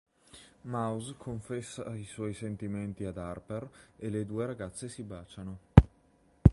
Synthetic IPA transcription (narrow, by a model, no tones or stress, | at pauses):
mawzkʰoɱfɛsːa̰iswɔjsent̪iment̪iad̪arpereled̪uːeɾaɡat̪sːesibaːt͡ʃano